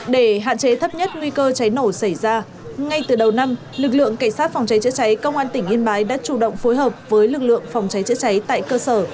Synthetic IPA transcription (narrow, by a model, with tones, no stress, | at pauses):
ɗe˧˩ɦa̰ː˧˨t͡ɕe˨˦t̪ʰə˦˥p̚ɲə˦˥t̚ŋwi˧kəː˧t͡ɕa˨˦jno˧˩sa˧˩jzaː˧ | ŋa˧jt̪ɨ˨˩ɗə˨˩wna˧m | lɨ˨˩k̬̚lɨ̰˧˨əŋka˧˩ŋ̟saː˦˥t̚fa˨˩wŋ͡mt͡ɕa˨˦jt͡ɕɨ̰˧˥t͡ɕa˨˦jkə˧wŋ͡mʔaː˧nt̪ï˧˩ŋ̟ʔi˧ənɓaː˨˦jɗa̰ː˧˥t͡ɕu˧˩ɗə̰˧˨wŋ͡mfo˨˦jɦəː˨˩p̚vəː˨˦jlɨ˨˩k̚lɨ̰˧˨əŋfa˨˩wŋ͡mt͡ɕa˨˦jt͡ɕɨ̰˧˥t͡ɕa˨˦jt̪a̰ː˧˨jkəː˧səː˧˩